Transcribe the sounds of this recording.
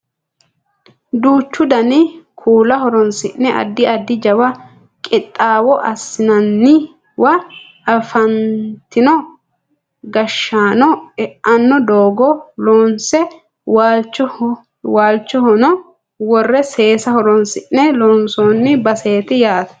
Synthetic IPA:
d̪uːt͡ʃːʊd̪ɐnɪkʰuːlɐhɔɾɔnsɪʔnɛʔɐ̰d̪ːɪɐd̪ːɪd͡ʒɐwɐ | kʼɪt̪ʼːaːwɔʔɐsːɪnɐnːɪ | wɐ | ɐfɐnt̪ɪnɔ | ɡɐʃːaːnɔɛʔɐnːɔd̪oːɡɔloːnsɛ | walt͡ʃː | waːlt͡ʃːɔhɔnɔ | wɔrːɛse̞ːsɐhɔɾɔnsɪʔnɛloːnsoːnːɪbɐse̞ːt̪ɪjaːt̪ɐ̥

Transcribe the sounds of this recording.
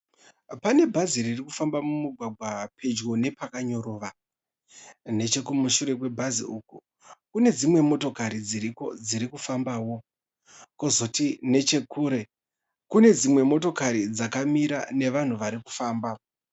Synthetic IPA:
pane̞bʱaziririkufambamumuɡʱwaɡʱwapʰe̞d͡ʒɣo̞ne̞pakaɲo̞ɾo̞ːʋa | ne̞t͡ʃe̞kumuʃuɾe̞kwe̞bʱazḭuːku | kune̞d͡zimwe̞mo̞to̞kaɾid͡ziɾiko̞d͡ziɾikufambaːwo̞ | kozo̞tine̞t͡ʃe̞kuːɾe̞ | kune̞d͡zimwe̞mo̞to̞kaɾid͡zakamiɾane̞ʋan̤uʋaɾiku̥faːmba

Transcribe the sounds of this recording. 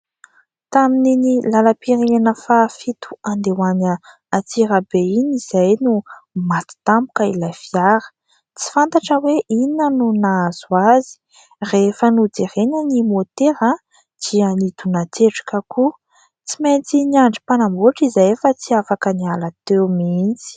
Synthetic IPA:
t̪amininilalapiɾienəfafit̪u̥and̪ewanə | at͡siɾabeiniz̥ajnumat̪i̥t̪ambu̥kəilafiaɾə̥ | t͡si̥fant̪aʈ͡ʂəweʔinənunaz̥uazi̥ | refənud͡zerenənimot̪eɾa | d͡ʒ̥ianit̪unat͡seʈ͡ʂḁkəku | t͡siment͡siniaɳɖ͡ʐi̥panamboʈ͡ʂizajefət͡siafakənialat̪emint͡si̥

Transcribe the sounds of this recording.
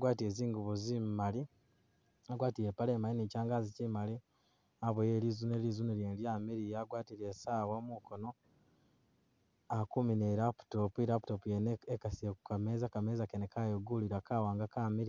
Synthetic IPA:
aɡwaːtieziːŋɡuβuzimmali | aɡwaːtiɾepalemalinicaːŋɡazicimali | aβojeːɾizuneliːzuneljeːnjaːmeɾijaɡwaːtiɾesaːwamukono̞ | akumineɾapu̥topuiɾapu̥topujeneekasiekukameːzakamezakenekajoɡuliɾakaːwaːŋɡakameɾi

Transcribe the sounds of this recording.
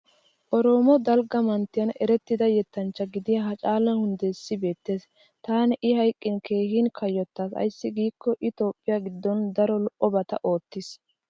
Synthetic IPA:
ʔɔɾo̞ːmɔd̪ɐlɡɐmɐnt̪ːɪjɐnɛɾɛt̪ːɪd̪ɐjɛt̪ːɐnt͡ʃːɐɡɪd̪ɪjɐɦɐt͡ʃʼaːlɛhʊnd̪ɛɪsːɪbe̞ːt̪ːe̞ːs | t̪aːnɪʔɪhɐjkʼːɪnke̞ːhɪnkʰɐjɔt̪ːaːsɐ̰jsːɪɡiːkːɔʔɪt̪o̞ːpʼːɪjaɡɪd̪ːɔnd̪ɐɾɔlɔʔʔɔbɐt̪ɐ̰ʔo̞ːt̪ːɪs

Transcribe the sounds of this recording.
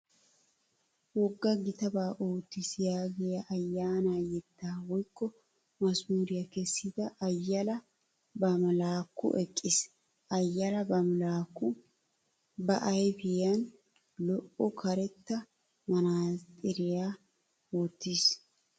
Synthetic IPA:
wɔɡːɐɡɪt̪ɐbaːʔoːt̪ːisjaːɡɛjɐʔɐjːaːnaːjɛd̪ːaːwɔjkːɔ | mɐsmuːɾɪjɐkɛsːɪd̪ɐʔɐjːɐlɐ | bɐmlaːkːʊ̰ʔɛkʼːɪs | ɐjːɐlɐbɐmlaːkːʊ | bɐʔɐjɛfɪjɐn | lɔʔɔkʰɐɾɛt̪ːɐ | mɐnaːt̪ʼɪɾɪjaː | oːt̪ːis

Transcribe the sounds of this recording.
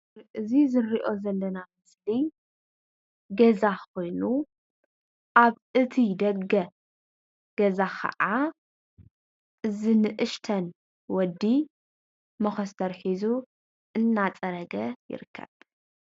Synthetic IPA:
ʔɨzizɨɾiʔo̞zɐlːɐnamɨsli | ɡɐzakʰo̞jnu | ʔaβ | ɨt̪ʰid̪ɐɡɐ | ɡ̥ɐzakʰɐ̰ʔa | ʔɨzinɨʔɨʃt̪ʰɐn | wɔd̪ːi | mɐxɐst̪ʰɐɾħizu | ʔɨnːat͡sʼɐɾɐɡɐjɪ̰ɾɨkʰːɐ̰β

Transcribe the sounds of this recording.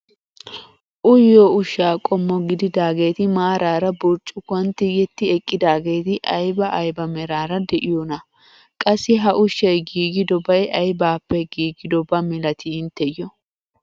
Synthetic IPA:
ʔʊjːoːʊʃːaːkʼɔmːɔɡɪd̪ɪd̪aːɡe̞ːt̪ɪmaːɾaːɾɐbʊɾt͡ʃʼːʊkɐnt̪ːɪjɛt̪ːɪɛkʼːɪd̪aːɡe̞ːt̪ɪʔɐjbɐʔɐjbɐmɛɾaːɾɐd̪ɛʔɪjonɐ | kʼɐsːɪɦɐʔʊʃːɐjɡiːɡɪd̪ɔbɐjɐjbaːpːɛɡiːɡɪd̪ɔbɐmɪlɐt̪ʰɪɪnt̪ːɛjɔ

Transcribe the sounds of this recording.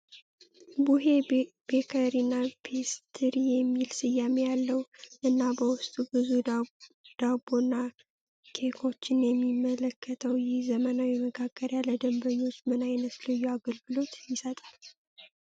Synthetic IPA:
buɦe̞ | b̥ekʰəɾinːapʰest̪ʰɨɾijɛmːilsɨjamejalːəwʔɨnːabəwʊst̪ʼubɨzu | d̪̥abonːa | kʰe̞kʰo̞t͡ʃːɪnjɛmːimːələkʰːət̪ʰəwjɪhzəmənawjɛməɡaɡəɾjaləd̪əmbəɲːot͡ʃːmɨnajnət̪lɨjːɛaɡəlɡɨlo̞t̪jɪsət̪ʼal

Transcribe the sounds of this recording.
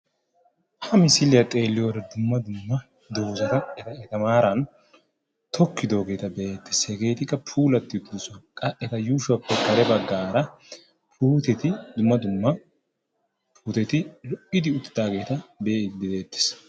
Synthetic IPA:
hɐmɪsɪlɪjɐt̪ʼe̞ːlːɪjoːɾɐd̪ʊmːɐd̪ʊmːɐ | d̪oːzɐt̪ɐɛt̪ɐɛt̪ɐmaːɾɐn | t̪ʰɔkːɪd̪o̞ːɡe̞ːt̪ɐbɛʔeːt̪ːɪ̥shɛɡe̞ːt̪ɪkːɐpʰuːlɐt̪ːɪʊt̪ːɪd̪ɛsʊɐkʼɐʔɛt̪ɐjuːʃʊɐpːɛkɐɾɛbɐɡːaːɾɐ | pʰuːt̪ɛt̪ɪd̪ʊmːɐd̪ʊmːɐ | pʰuːt̪ɛt̪ɪlɔʔɪd̪ɪʊt̪ːɪ̥d̪aːɡe̞ːt̪ɐbed̪ɪd̪e̞ːt̪ːɪ̥s

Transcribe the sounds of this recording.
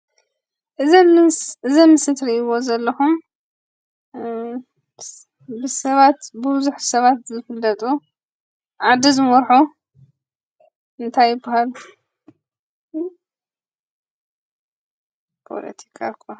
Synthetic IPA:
ʔɨzʔɨzɐnːɨsɨt̪ɾiɨwozɐlːɐxum | bɨsɐβat̪bɨbzuħsɐβat̪zɨfɨlːɐt̪ʼu | ʕad̪izɨmɔɾħu | ɨnt̪ʰajːɪbahal | pʰo̰lɐ̰t̪ʰi̥kʰakʰːo

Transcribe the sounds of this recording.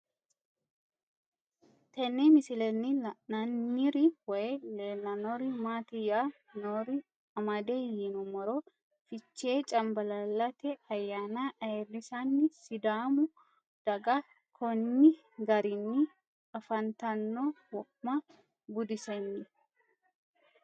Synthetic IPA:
t̪ɛnːemɪsɪlɛnːɪnɐnːiɾɪwɔjɛleːlːɐnɔɾɪmaːt̪ɪja | noɾɪ | ɐmɐd̪eːjinʊmɔɾɔ | fɪt͡ʃːe̞ːt͡ʃʼɐmbɐlɐlːɐt̪ɛɐjːaːnaʔɐrːɪsɐnːɪsɪd̪aːmʊ | d̪̥ɐɡɐ | kʰɔnːɪ | ɡɐɾɪnːɪ | ɐfɐnt̪ɐnːo | wɔʔmɐ | ɡʊd̪ɪsɛnːɪ

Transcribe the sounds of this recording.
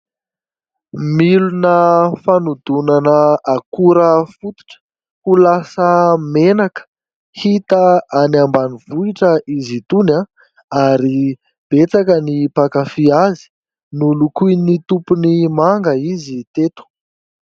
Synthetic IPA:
milunəfanud̪unanəakuɾəfut̪u̥ʈ͡ʂə̥ | hulasəmenakə̥ | hit̪əanambanivuiʈ͡ʂəʔizit̪una | aɾi | b̥et͡sakənipakafiazi̥ | nulukuinit̪upunimaŋɡəizit̪et̪u̥

